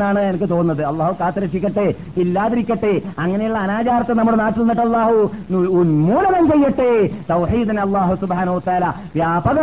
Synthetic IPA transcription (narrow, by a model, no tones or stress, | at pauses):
aːɳɨɲenɐk̬ːɨt̪o̞ːnnːɐðɨɐlˠˤːaːhukaːt̪ːɐɾɐʂikʲːɐʈːe | ilːaːðɐɾikʲːɐʈːeɐŋːɐnejuɭːɐːnaːt͡ɕaːɾɐt̪ːenɐmːuɽenaːʈːilnːiʈːɐlːaːhununmuːlɐnɐnt͡ɕejːɐʈːet̪ɐwħiːd̪inɐlˠˤːaːɦusubħaːnɐhuʋɐt̪ːɐaːla | ʋjaːbɐɣɐ